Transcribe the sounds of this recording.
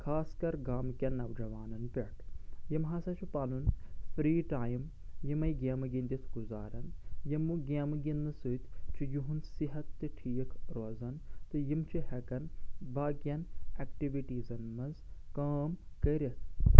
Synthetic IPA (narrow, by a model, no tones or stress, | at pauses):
kʰaːskɐɾɡaːmkʲɐnːɐʋd͡ʒɐʋaːnɐnpʲeʈʰjimɦasɐt͡ʃʰipaːlunfɾiːʈaːjim | jimɐjɡeːmɐɡind̪ʲit̪ʰɡuzaːɾɐnjimːuɡʲemɨɡʲinːɨsɨt̪ʲʰt͡ʃʰijuɦunsiɦɐt̪ːɨʈʰijɐkɾoːzɐnt̪ɨjimt͡ʃʰihɐkɐnbʱaːɡʲjɐnɛkʈiʋiʈiːzɐnmɐzkaːm | kɐɾɐt̪ʰ